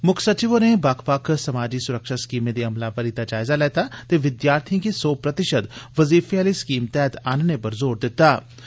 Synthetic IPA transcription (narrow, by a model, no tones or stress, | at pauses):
mʊkʰsət͡ʃiʋonebaːkʰpaːksɐmaːd͡ʒisʊɾəkʃaskiːmed̪iɐmlapəɾit̪ad͡ʒaːɪzalɛːt̪at̪eʋɪd̪jaːɾt̪ʰij̃kisoːpɾət̪ɪʃəd̪ʋəziːfaːliskiːmt̪ɛːt̪aːnnepəɾzoːɾd̪ɪt̪ːaː